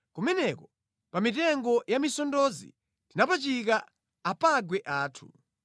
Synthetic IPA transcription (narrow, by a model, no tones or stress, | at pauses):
kumɛnɛkɔ | pamitɛŋɡɔjamisɔndɔzḭ | tinapat͡ʃik̬a | apaɡwɛʔaːtʰu̥̰